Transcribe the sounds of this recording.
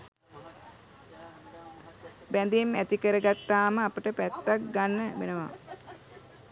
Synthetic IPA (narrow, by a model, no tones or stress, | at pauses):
bænd̪imæt̪ikəɾəɡat̪ːaːməapəʈəpæt̪ːak̚ɡanːəbḛnəʋa̰